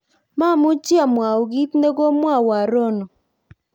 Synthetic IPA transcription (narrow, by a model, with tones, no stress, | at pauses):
ma˦˨mʊ˦t͡ʃja˦˨mwa˨o˨ɡi˦t̪ne˦ɡo˦mwa˦˨wa˨ɾo˦no˨